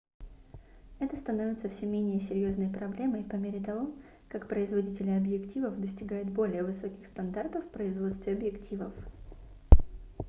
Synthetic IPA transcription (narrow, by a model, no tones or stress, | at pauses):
ɛt̪əst̪ɐno̞vʲɪt̪səfsʲɵmʲenʲɪjəsʲɪɾʲjo̞znəjpɾɐblʲe̞məjpɐmʲeɾʲɪt̪ɐvo̞ | kakpɾəɪzvɐdʲitʲɪlʲɪɐbjɪktʲivəfd̪əsʲtʲɪɡajʊt̪̚bo̞lʲɪjəvɨso̞kʲɪxst̪ɐnd̪art̪əfːpɾəɪzvo̞t̪st̪vʲɪɐbjɪktʲʰivəf